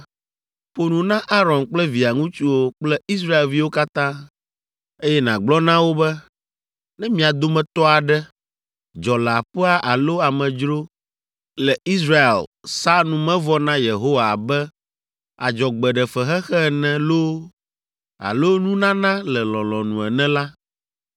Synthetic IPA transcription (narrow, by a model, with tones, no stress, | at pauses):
ɸo˨nũ˨nã˦ʔa˦ɾɔ̃˨nk͡plɛ˦vi˨a˨ŋũ˦t͡ʃu˦wo˦k͡plɛ˦i˦s̬ɾa˦e˨lvi˦wo˦ka˦t̪ã˦ | e˦jɛ˦nã˨ɡ͡blɔ˦nã˦wo˦bɛ˦ | nɛ̃˦mĩ˦a˨d̪o˦mɛ̃˨t̪ɔ˦a˨ɖɛ˦ | d͡ʒɔ˨la˨ɸɛ˦a˦ʔa˨lo˦a˨mɛ̃˨d͡ʒɾo˦ | lɛ˨i˦s̬ɾa˦ḛ˨lsa˦nũ˨mɛ̃˦vɔ˦nã˦je˨ɦo˦wa˨bɛ˦ | a˨d͡ʒɔ˨ɡ͡bɛ˨ɖɛ˨fɛ˨ɦɛ˦xɛ˦˨nɛ̃˨lo˦ | a̰˨lo˦nũ˦nã˦nã˦lɛ˨lɔ̃˨lɔ̃˨nũ˨ɛ˨nɛ̃˦la˦